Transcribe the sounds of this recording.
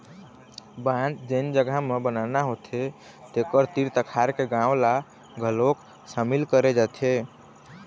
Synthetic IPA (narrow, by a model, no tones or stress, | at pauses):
bãd͡ʒd͡ʒənd͡ʒəɡʱamebənanaɦot̪ʰe | t̪ekəɾt̪iɾt̪əkʰaɾkeɡãola | ɡʱəlok | samilkəɾed͡ʒat̪ʰe